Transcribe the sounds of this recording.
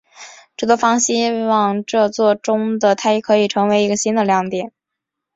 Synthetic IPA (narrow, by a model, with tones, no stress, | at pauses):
ʈ͡ʂɤ˥˩t̪wɔ˥fɑ˥ŋɕi˥wɑ˥˩ŋʈ͡ʂɤ˥˧t͡swɔ˥˩ʈ͡ʂʊ˥ŋd̪ə˨t̪ʰa˥jɛ˨˩kʰɤ˧˥i˨˩ʈ͡ʂʰɤ˧˥ŋwe˧˥ɪi˧˥ɡə˧ɕi˥nd̪ə˨ljɑ˥˩ŋt̪jɛ˨˩˦n